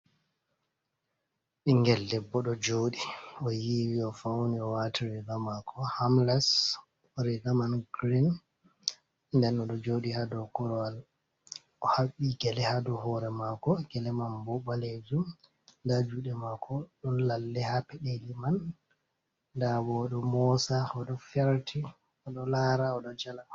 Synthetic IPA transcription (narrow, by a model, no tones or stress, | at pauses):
ʔiŋɡɛlːɛbːɔɗɔd͡ʒoːɗiɔjiwiɔfawniɔwatʰiɾɛɡamakʰɔhamlas | ɾɛɡamanɡɾin | ndɛnɔɗɔd͡ʒoːɗihadɔkɔɾɔal | ʔɔhaɓːiɡɛlɛhadɔɦɔɾɛmakɔɡɛlɛmanbɔɓaled͡ʒum | dad͡ʒuːɗɛmakʰɔɗɔnlalːɛhapɛɗeliman | dabɔɗɔmɔsaɔɗɔfɛɾtʰi | ɔɗɔlaɾaɔɗɔd͡ʒala